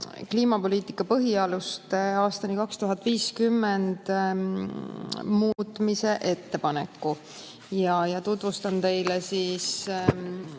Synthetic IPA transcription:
kliːmɑpo̞liːt̪ˑikːˑɑpɤɦiɑlust̪ɑːst̪ɑnikɑkst̪uɦɑt̪ːˑviːskymːend̪̥ | muːt̪ːˑmise̞ʔe̞t̪ːe̞pɑne̞̰kːu | jɑjɑt̪ut̪ˑvust̪ɑnt̪e̞jlesiːs

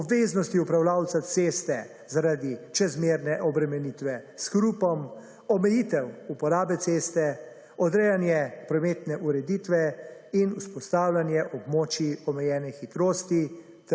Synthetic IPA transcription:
ɔbʋeznɔst̪iupɾawlaːwt̪sat̪seːst̪ɛ | zaɾad̪it͡ʃɛzmeːɾnɛʔɔbɾɛmɛnit̪ʋɛskɾuːpɔm | ɔmɛjit̪ɛwupɔɾaːbɛt̪seːst̪ɛ | ɔd̪ɾɛjanjɛpɾɔmeːt̪nɛʔuɾɛd̪it̪ʋɛinuspɔst̪aːwlʲanjɛʔɔbmoːt͡ʃiɔmɛjɛːnɛxit̪ɾoːst̪i | t̪

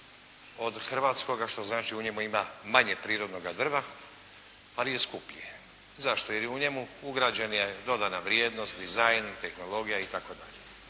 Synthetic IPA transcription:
o̞d̪xr̩ʋaːt̪sko̞ɡaʃt̪o̞znaːt͡ʃiuɲe̞muimamaɲe̞pɾiːɾo̞d̪no̞ɡad̪r̩ʋa | alije̞skupʎie | zaʃt̪ojeɾjuɲe̞muuɡɾad͡ʑenje̞d̪o̞d̪anaʋɾijeːd̪no̞st̪d̪izajnt̪e̞xno̞lˠo̞ɡijait̪ako̞d̪a̰ʎe

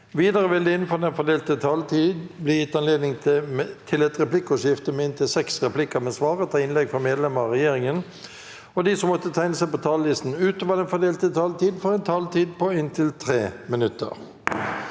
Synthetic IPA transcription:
ʋiːd̪əɾəʋɪld̪əɪnːfɔd̪ɛnfɔd̪eːlt̪ət̪ʰɑlt̪ʰiːd̪blɪjɪt̪ːɑnleːd̪nɪŋt̪ʰɪlɛt̪ʁɛplɪkʊʃɪft̪əmɛɪnt̪ʰɪlsɛksʁɛpʰlɪkəmɛsʋɑːʁət̪ʰɑɪnlɛɡfɔʁmeːd̪lɛməʁɑʁɛjeːɾɪŋən | ɔd̪isɔmːɔt̪ːət̪ʰæɪnəsæɪpɔt̪ʰɑːllɪst̪n̩ʉːt̪əʋɑd̪ɛnfɔd̪eːlt̪ət̪ʰɑlt̪ʰiːd̪fɔɾɛɪnt̪ʰɑlt̪ʰiːd̪̚pɔɪnt̪ʰɪlt̪ʰɾeːmɪnʉt̪ːə̰ʁ

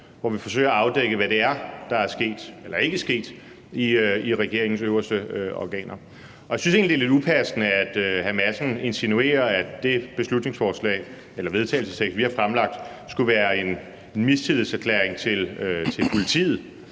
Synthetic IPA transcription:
ʋɒʋifɒ̽s̬ø̰ːɐɑ̈ʊd̥eɡ̥əʋæɾ̥e̝æɐd̥ɑ̈æɐsɡ̥e̝̰ːd̥elɐe̝ɡ̥əsɡ̥e̝̰ːd̥ | iiʁɛɡ̥e̝ɐeŋn̩søʊɐsd̥əɒ̰ɡ̥ɛ̰ːnʔɐ | ɒjäsynse̝ːnlid̥ele̝dupʰæsənəæd̥øɦæmæsn̩e̝nsinue̝̰ːɐæd̥e̝b̥e̝slud̥ne̝ŋsfɒːslɛ̰ːɪ | elɐʋe̝ð̞ˠt͡sʰɛ̰ːl̩səst͡sʰeɡ̥sʋihɑ̈fʁamlɑ̈ɡ̥̚d̥ | sɡ̥uʋæːɐe̝n | enmist͡sʰiðˠl̩sæɐkʰlḛːɐeŋt͡sʰe̝løt͡sʰe̝lpʰo̝lit͡sʰḭːð̞̩ˠ

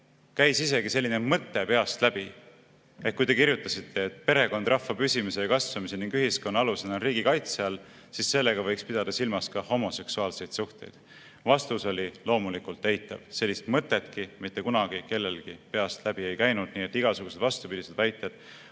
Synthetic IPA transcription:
kæjsise̞ɡ̥ise̞lʲːinemɤt̪ːˑe̞pe̞ɑst̪læb̥i | eh̚kujt̪e̞kiɾjut̪ːˑɑsit̪ʰːe̞ːt̪ˑpe̞ɾe̞ko̞nd̪̥rʔɑfːɑpysʲimise̞jɑkɑsvɑmise̞niŋɡyɦisko̞nːɑɑlusenɑɾiːɡ̥ikɑjt̪seɑl | sisːe̞lːe̞ɡ̥ɑvɤjkspid̪̥ɑd̪̥ɑsilmɑskɑho̞mo̞se̞ksuɑːlse̞jd̪̥suht̪e̞jd̪̥ | vɑst̪uso̞lʲilo̞ːmulikult̪ːejt̪ːˑɑ̰v̥se̞lʲːist̪mɤt̪ːˑe̞t̪kimit̪ːe̞kunɑɡ̥ike̞lːe̞lɡ̥ipe̞ɑst̪læb̥ie̞jkæjnud̪̥̚niːet̪ːˑiɡ̥ɑsuɡ̥used̪vɑst̪upid̪ised̪̥væjt̪ːˑed̪̥

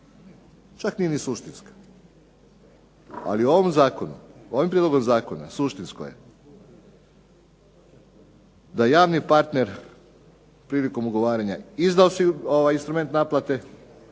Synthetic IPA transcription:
t͡ʃaknije̞nisuʃt̪inskḁ | a̰lioʋomzaːkonṵo̞ʋimpɾed̪lo̞ɡo̞mzaːkona̰suʃt̪insko̰jḛ | d̪ajaːʋnipaɾt̪ne̞ɾ | pɾiːliko̞muɡo̞ʋaːɾaɲaizd̪aosioʋajinst̪ɾume̞nt̪naplat̪e̞

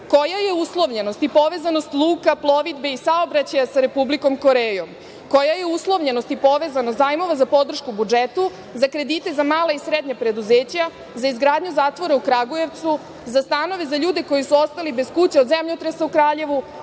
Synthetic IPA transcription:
ko̞jajeuslˠo̞ʋʎeno̞st̪ipo̞ʋe̞zano̞st̪lˠuːkaplˠo̞ʋid̪be̞isaobɾat͡ɕajasaɾe̞publiko̞mko̞ɾeːjom | ko̞jajeuslˠo̞ʋʎenost̪ipo̞ʋe̞zanost̪aːjmo̞ʋazapo̞d̪r̩ʃkubud͡ʒet̪u | zakɾe̞d̪it̪e̞zamaːlaisɾed̪ɲapɾe̞d̪uzeːt͡ɕa | zaizɡɾaːd̪ɲuzaːt̪ʋo̞ɾaukɾaɡoje̞ʋt̪su | zast̪ano̞ʋe̞zaʎuːd̪e̞ko̞jisuo̞st̪alibe̞skut͡ɕeod̪zemʎot̪ɾesaukɾaːʎe̞ʋu

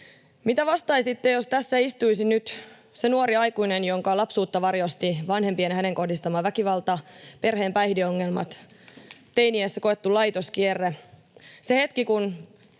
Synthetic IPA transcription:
mit̪æʋɑst̪ɑisit̪ːejost̪æsːæist̪uisinyt̪ | senuoɾiɑjkuinenjoŋkɑlɑpsuːt̪ːɑʋɑrjost̪iʋɑnhe̞mpienhæneŋko̞hdist̪ɑmɑʋækiʋɑlt̪ɑpe̞rɦeːmpæjhdioŋːelmɑ̰t̪ | t̪einiesːekoet̪ːulɑjt̪oskierːe | sehet̪kikun

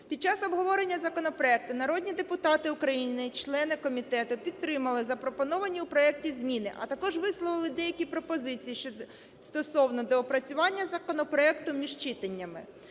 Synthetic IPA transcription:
pʲid̪̚t͡ʃɑsɔbɦɔʋɔɾenʲːɐzɐkɔnɔpɾɔɛk̚t̪ʊnɐɾɔd̪ʲnʲid̪epʊt̪ɑt̪ɪʊkɾɐjinɪt͡ʃlˠɛnɪkɔmʲit̪ɛt̪ʊpʲid̪̚t̪ɾɪmɐlˠɪzɐpɾɔpɔnɔʋɐnʲiupɾɔɛk̚tʲizʲmʲinɪʔɐ̰t̪ɐkɔʒʋɪslˠɔʋɪlˠɪd̪ɛjɐkʲipɾɔpɔzɪt͡sʲijiʃt͡ʃɔ | st̪ɔsɔwnɔd̪ɔːpɾɐt͡sʲʊʋɑnʲːɐzɐkɔnɔpɾɔɛkt̪ʊmʲiʒt͡ʃɪt̪enʲːɐmɪ̰

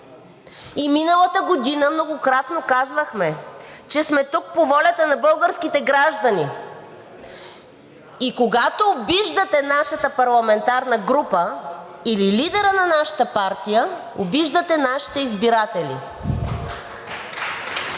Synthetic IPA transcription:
iminəlˠət̪əɡod̪inəmnoɡokɾat̪nokazvəxmɛt͡ʃɛsmɛt̪uk̚povɔlʲɐt̪ənɐbɤlˠɡəɾskit̪ɛɡɾaʒd̪ɐni | ikoɡat̪oːbiʒd̪ət̪ɛnaʃət̪əpɐɾlˠɐmɛnt̪aɾnəɡɾupəililid̪ɛɾənɐnaʃɐ̥t̪əpaɾt̪ijə | obiʒd̪ət̪ɛnaʃi̥t̪ɛizbiɾat̪ɛlḭ

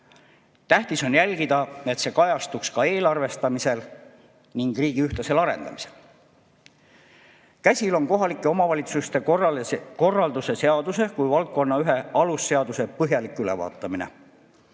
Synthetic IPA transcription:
t̪æht̪iso̞njælʲɡ̥id̪̥ɑe̞t̪se̞ːkɑjɑst̪ukskɑe̞ːlɑrve̞st̪ɑmise̞l | niŋɡ̥riːɡ̥iyht̪ɑse̞lɑɾe̞̰nd̪ɑ̰mise̞l | kæsʲilo̞nko̞ɦɑlikːˑeo̞mɑvɑlʲit̪sust̪e̞ | ko̞rːɑld̪use̞seɑd̪̥use̞kujvɑlt̪̚ko̞nːɑyɦe̞ɑlusːe̞ɑd̪use̞pɤɦjɑlikˑːylevɑ̰ːt̪ːˑɑminḛ

